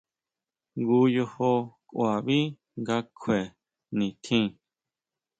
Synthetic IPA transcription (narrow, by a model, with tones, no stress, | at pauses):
ŋɡuː˧˦jo˧ho˧kwa˨βi˦ | ŋɡa˧kʰwe˨ | nĩ˨t̪ʰĩː˦˧